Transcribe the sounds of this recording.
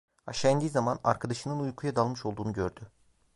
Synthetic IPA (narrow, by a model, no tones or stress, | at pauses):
a̰ʃand̪izamana̰ɾkʰad̪aʃɯnɯnujkʰujad̪alˠmɯʃo̞lˠd̪uːnuɟøɾd̪y